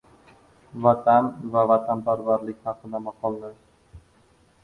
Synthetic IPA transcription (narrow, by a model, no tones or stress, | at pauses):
vat̪ʰanvavat̪ʰanpaɾvaɾlɪkʲχɑqɨd̪amɑqʰɒlˠd̪ɪ